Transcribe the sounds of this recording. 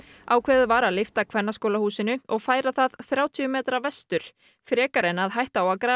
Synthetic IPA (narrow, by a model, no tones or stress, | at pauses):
awkʰvɛːðʏvaːɾaðlɪft̪akʰvɛnːaskoːwlahuːsɪnʏɔɣfaːjɾaθaðθɾjaːwt̪ʰiʏmɛːt̪ɾavɛst̪ʏɾ̥ | fɾɛːkaɾɛnaðɦajht̪aawakɾaː